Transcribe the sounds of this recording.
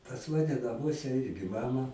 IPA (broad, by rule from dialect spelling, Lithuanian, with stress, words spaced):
pɐs ˈmɑːnʲɛ nɐˈmuɔsʲɛ ˈɪrʲɡʲɪ ˈmɑːmɐ